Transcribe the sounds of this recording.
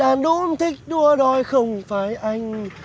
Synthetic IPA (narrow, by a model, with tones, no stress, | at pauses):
aː˨˩nɗu˧˦mt̪ʰi˦˥k̟̚ɗu˧əɗɔ˧jxə˧wŋ͡mfaː˨˦jʔa˧jŋ̟